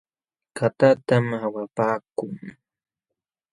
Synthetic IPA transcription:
kʰat̪at̪amawapaːkʊŋ

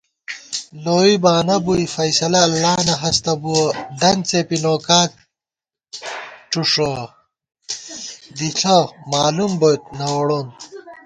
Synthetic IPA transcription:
loːibaːnɐbuifɐjsɐlɐːlːaːnɐɦɐst̪ɐbuɐd̪ɐnt͡sepinoːkaːk̚ | ʈ͡ʂuʂo | d̪iɬɐmaːlumbot̪̚nɐwɽon

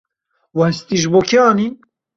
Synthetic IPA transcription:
wɛst̪iʒbokʰeɑːnin

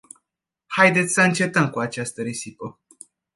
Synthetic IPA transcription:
hajd̪e̞t̪sʲsəɨnt͡ʃe̞t̪əmkuat͡ʃast̪əɾesipə

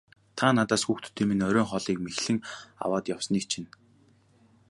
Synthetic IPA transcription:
t̪ʰaːnat̪aːsxuːxt̪ɵ̥̆t̪ʰːeːmenœɾʲœːŋχɔɮiːkmexɮɘ̆ŋa̰waːt̪jawsniːk̚t͡ɕʰin

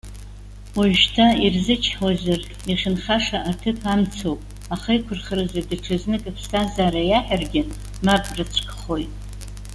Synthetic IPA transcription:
waʒtʰairzɨt͡ʃʰħwazar | iχʲɪnχaʂaʔatʰɨpʰamt͡sʰowpʼ | aχejkʷʰʊrχərɨzadɨʈ͡ʂʰɨznɨkʼapʰstʰazaɾajaħarɡʲɪ | mapʼrɨt͡sʷʰʼkʼχo̞jtʼ

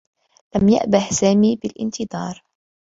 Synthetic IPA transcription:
lamja̰ʔbahsaːmiːbɪlʔɪ̰nt̪ɨd̪ˤɑːɾˤ

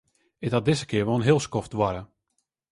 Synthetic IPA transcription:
ɪkhat̚dɪzəkɪəɹʋoːnɦɪəlˠskɔftʋaɾə

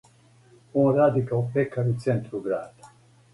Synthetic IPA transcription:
ũɾad̪ikaupɛkʰːaɾit͡sɛnt̪ɾuɡɾaːt̪ḁ

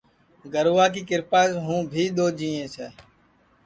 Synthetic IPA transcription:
ɡəɾʋaːk̬iːkɪɾpaːzɦũːbʱiːɗ̪oːd͡ʒiːẽːsʰɛː

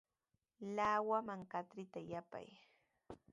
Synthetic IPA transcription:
laːwamaŋkat̪ɾɪt̪ajapa̰j

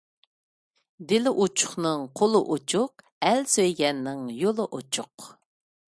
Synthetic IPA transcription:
d̪ɪlɪʔut͡ʃʰʊ̥χnɨŋqʰolˠʊʔot͡ʃʰʊq̚ | ɛlsøjɡʲɛnːɪŋjolˠɨʔot͡ʃʰʊq

